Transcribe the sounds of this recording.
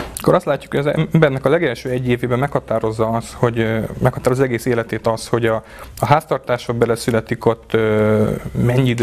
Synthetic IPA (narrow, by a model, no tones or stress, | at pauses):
kːoɾɒst̪laːcːu̥khoɒzɛ̰mbɛrnɛkɒlɛɡɛlʃøːɛɟːeːveːbɛmmɛkhɒt̪aːɾo̞zːɒɒst̪ho̞ɟmɛkhɒt̪aːɾozːɛɡeːseːlɛt̪eːt̪ɒst̪ho̞ɟɒ | ɒɦaːst̪ɒrt̪aːʃoɡ̚bɛlɛsylɛt̪iko̞t̪ːø | mɛɲid̪